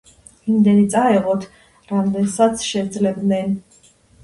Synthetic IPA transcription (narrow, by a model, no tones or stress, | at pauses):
imd̪ɛnit̪sʼaɛʁɔt̪ʰ | ɾamd̪ɛnsat̪sʰʃɛd̪zlɛb̪nɛn